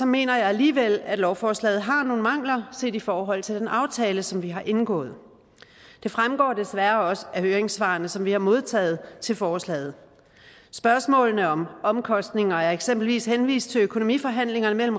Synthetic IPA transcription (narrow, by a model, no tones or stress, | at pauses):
sɒ̽me̝̰ːnɐjɑ̈ɪæliːʋel̰æd̥lɒʊfɒːslɛ̰ːð̩ˠɦɑ̈no̝ːn̩mɑ̈ŋ̰lɐse̝̰ːd̥ifɒːɦɒ̽l̰t͡sʰe̝ld̥enʔɑ̈ʊt͡sʰɛːləsɒ̽mʋiɦɑ̈ʔe̝nɡ̥ɔ̰̽ːð̞̩ˠ | d̥e̝fʁamɡ̥ɒ̰ːdesʋæɐɒ̽sæhøːɐeŋsʋɑ̈ːnəsɒ̽mʋihɑ̈mo̝ð̞ˠt͡sʰɛ̰ːð̩ˠt͡sʰe̝lfɒːslɛ̰ːð̞̩ˠ | sb̥ɶɐsmɔ̰ːlnəɒ̽mɒ̽mkʰɒ̽sd̥ne̝ŋɐæɐeɡ̥sem̰b̥l̩ʋḭːshenʋḭːsd̥̚t͡sʰe̝løkʰono̝mḭːfɒ̽ɦæn̰le̝ŋɐnəmel̰m̩